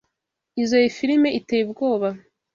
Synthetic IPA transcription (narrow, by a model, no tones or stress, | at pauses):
izojefiɾime̞ʔitejibɡo̞ːβa